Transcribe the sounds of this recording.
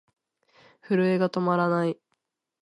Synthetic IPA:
ɸɯ̟ɾɯ̟e̞ɡat̪o̞maɾanai

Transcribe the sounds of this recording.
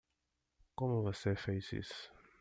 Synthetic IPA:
komʊvosefejsḭs

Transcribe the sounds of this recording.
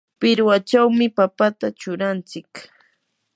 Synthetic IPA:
pɪɾwat͡ʃawmɪpapat̪at͡ʃʊɾant͡sɪk

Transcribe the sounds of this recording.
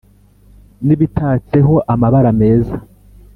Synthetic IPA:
niβitate̞ɦo̞ʔamaβaɾame̞ːza

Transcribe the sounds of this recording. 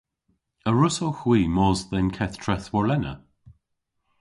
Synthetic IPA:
əɹʊsoxw̥iːmɔːzðɛnkʰɛθtʰɹɛθwɔɹlɛnə̰

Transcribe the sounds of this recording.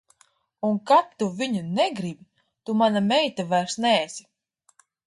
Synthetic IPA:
unkat̪ːuviɲunɛɡɾibʲ | t̪umanamʲɛjt̪avajɾsnɛːsʲi̥

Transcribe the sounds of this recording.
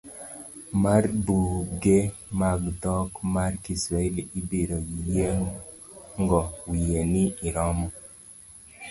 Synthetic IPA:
marbuɡemaɡdɔkmarkisɾaelibeɾojeŋ | ŋɡɔwieniiɾɔm

